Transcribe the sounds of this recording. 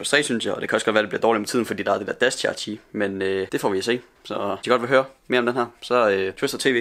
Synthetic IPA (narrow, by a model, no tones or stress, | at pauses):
pʰɒsd̥ʁɛ̰ːsynsjɑ̈ɒd̥e̝kʰæɒ̽sɡ̥ɒd̥ʋæːɐdebliɐ̥ɒːlimet͡sʰiðˠn̩fɒ̽dḭːd̥ɑ̈æɐd̥e̝d̥ḛɐd̥æst͡ɕʰæt͡ɕʰimenød̥e̝fɒ̰ʋiɒse̝̰ː | sɒ̽diɡɒ̽d̥ʋe̝ɦøːɐme̝ɐɒmd̥enhæɐ̰sɒ̽øt͡sʰesd̥ɐt͡sʰe̝̰ːʋḛː